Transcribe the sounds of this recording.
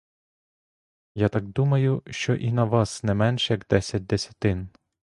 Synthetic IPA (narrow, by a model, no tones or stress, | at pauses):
jat̪ɑk̚d̪umɐjʊʃt͡ʃɔʔinɐʋɑsnɛmɛnʃɛjɐɡd̪ɛsʲɐt̚ʲd̪esʲɐ̥t̪ɪn